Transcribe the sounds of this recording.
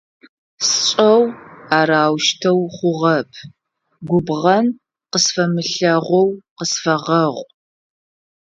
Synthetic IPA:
sɕʼɐwaːɾaːwʃtʰɐwχʷʊʁɐpʰ | ɡʷʊbʁɐn | qəsfɐmɨɬɐʁʷɔwqəsfɐʁɐʁʷ

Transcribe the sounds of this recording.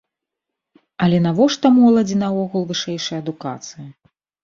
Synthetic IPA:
ɐlʲɛnavɔʂt̪ɐmɔlˠɐd͡zʲinɐɔɣulˠvɨʂɛjʂɐjɐd̪uka̰t̪sɨjɐ

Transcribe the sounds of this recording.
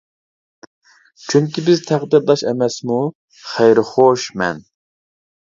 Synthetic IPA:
t͡ʃʰyŋkʲibɪzt̪ʰæqd̪ɪɾd̪ɑʃɛmɛsmu | χɛjɾɪχoʃmɛ̰n

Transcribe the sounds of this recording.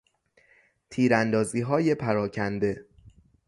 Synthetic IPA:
t̪ʰiːɾænd̪ɒːziːɦɒːjepʰæɾɒːcʰænd̪e̞

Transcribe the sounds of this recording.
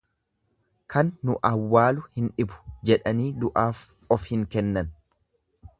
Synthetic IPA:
kʰɐnːʊʔɐwːaːlʊhɪnᶑɪbʊ̥d͡ʒɛᶑɐniːd̪ʊʔaːf | ɔfhɪŋkɛnːɐn

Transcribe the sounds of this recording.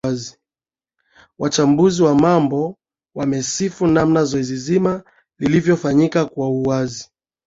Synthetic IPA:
azi | wat͡ʃambuziwamambɔ | wamɛsifunamnazɔɛzizima | lilivjɔfaɲikakwauazi

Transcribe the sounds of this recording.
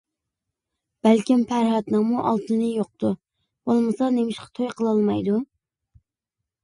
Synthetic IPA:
b̥ælkʲimpʰæɾɦɑt̪nɨŋmuʔɑ̰lˠt̪ʰɨnɨjoq̚t̪u | b̥olˠmɨsɑnemɪʃqɑ̥t̪ʰojqʰəlˠɑlˠmɑjd̪u

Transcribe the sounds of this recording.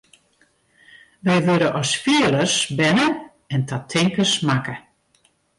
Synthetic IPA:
ʋɛjʋøɾəʔɔsfiələrsbɛnə | ɛntʰatʰɪŋkəsmakə

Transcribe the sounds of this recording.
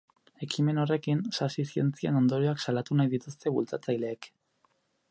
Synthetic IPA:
e̞kime̞no̞re̞kinsasisie̞nt͡siḛno̞nd̪o̞ɾioaksalat̪unajðit̪ust̪e̞βult͡sat͡sajle̞ːk

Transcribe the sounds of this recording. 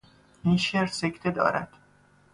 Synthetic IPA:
iːnʃeːɾsecʰt̪ʰed̪ɒ̰ːɾʔæ̰d̪̥

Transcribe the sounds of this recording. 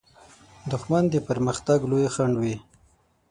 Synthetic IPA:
d̪ʊxmand̪əpəɾməxt̪aɡlojxaɳɖwi

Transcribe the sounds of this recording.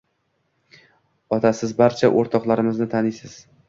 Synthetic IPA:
ɒt̪ʰasɪzbaɾt͡ʃʰaʔoɾt̪ʰɒqlˠaɾɪmɪznɪt̪ʰanɪjsɪz̥

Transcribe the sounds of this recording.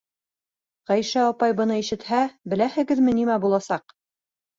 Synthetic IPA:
ʁæjʃæɒpɑjbɤ̆nɤiʃɘ̆t̪hæbɘ̆læhɘ̆ɡɘðmɘ̆nimæbulˠɑsɑq̚

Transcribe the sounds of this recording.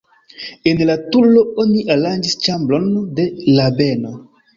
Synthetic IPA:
enlatulo̞oniʔaland͡ʒist͡ʃamblonde̞labe̞no

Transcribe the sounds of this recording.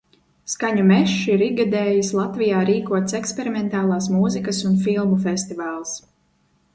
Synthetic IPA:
skaɲumɛʃiɾiɡad̪eːjislˠat̪vijaːɾiːkuɔt̪sɛkspʲeɾimɛnt̪aːlˠɑːs̬muzikɐsunfilˠmufest̪ivaːlˠs

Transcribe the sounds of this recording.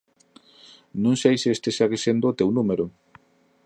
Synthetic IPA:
nõŋsejsest̪esaɣesend̪oːt̪ewnumeɾʊ

